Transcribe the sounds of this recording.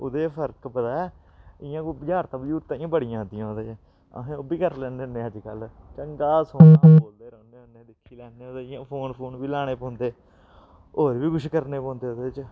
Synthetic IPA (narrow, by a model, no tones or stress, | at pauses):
ʊd̪eːpʰəɾkbət̪aːɛː | ɪjãːkːbəd͡ʒaːɾt̪ãːbəd͡ʒuːɾt̪aːĩãːbəɽɪjãːd̪ɪjãːoːd̪ẽː | ə̰ɦẽːoːbiːkəɾlɛ̃ːneneːəd͡ʒkəlt͡ʃəŋɡaːsoːnãboːld̪eːɾə̃ːnd̪eːõːneːd̪ɪkʰːiːlɛːdeːoːd̪eːãːpʰoːnpʰoːnbiːlaːɽ̃eːpɔ̃ːnd̪eː | oːɾʋiːɡʊʃkəɾneːpɔ̃ːnd̪eːʊd̪eːɪt͡ʃ